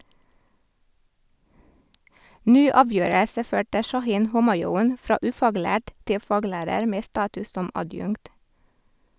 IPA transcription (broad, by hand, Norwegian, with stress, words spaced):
ˈnyː ˈɑːˌʋjøːɾəsə ˈføːʈə ʃɑˈhiːn ˈhʊmɑˌjuːn ˈfɾɑː ˈʉːfɑːˌɡlæːʈ ˈtɪl ˈfɑːˌɡlæːɾəɾ ˈmeː ˈstɑːtʉs ˈsɔm ɑˈdjʉŋkt